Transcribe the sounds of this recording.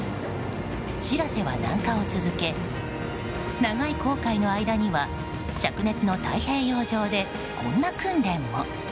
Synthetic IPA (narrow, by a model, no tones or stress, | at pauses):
ɕiɾase̞βa̰nã̰ŋkao̞t͡sɨzɨke̞ | naɡaiko̞ːkaino̞aid̪aɲ̟iβa | ɕakɯ̟ne̞t͡sɨno̞t̪a̰ihe̞ːjo̞ːʑo̞ːd̪e̞ | kʰõ̞nːakɯ̟̃nɾẽ̞mːo